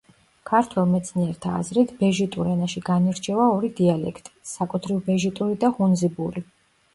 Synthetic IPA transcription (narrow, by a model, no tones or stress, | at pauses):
kʰaɾt̪ʰwɛlˠmɛt̪sʰniɛɾt̪ʰa̰ːzɾit̪ʰbɛʒit̪ʼuɾɛnaʃiɡaniɾt͡ʃʰɛvaɔɾid̪ialɛ̰kʰt̪ʼi̥sakʼut̪ʰɾivbɛʒit̪ʼuɾid̪aχunzibuɾi